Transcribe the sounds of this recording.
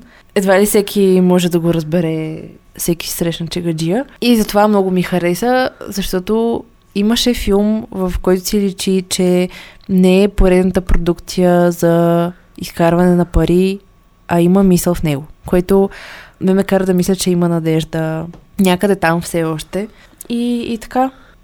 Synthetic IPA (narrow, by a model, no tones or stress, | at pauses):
ɛd̪valisɛkʲʰimɔʒɛd̪ɐɡoɾɐzbɛɾɛfsɛki̥si̥sɾɛʃnɐt͡ʃɛɡɐd͡ʒiəizɐt̪ovamnɔɡomixɐɾɛsəzɐʃt̪ɔt̪o | iməʃɛfilˠmvɐfkɔjt̪ʊsilit͡ʃit͡ʃɛnɛɛpoɾɛd̪nət̪əpɾod̪ukt̪sijəzɐ | iskaɾvɐnɛnɐpɐɾʔi | ɐiməmisəlˠfnɛɡokoɛt̪omɛmɛkaɾəd̪ɐmislʲət͡ʃɛimənɐd̪ɛʒd̪ənʲakəd̪ɛt̪amfsɛɔʃt̪ɛ | iːt̪ɐ̥ka